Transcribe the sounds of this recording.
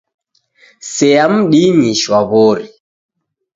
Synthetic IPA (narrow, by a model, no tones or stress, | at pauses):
sɛjamɗiniʃwaβɔɾi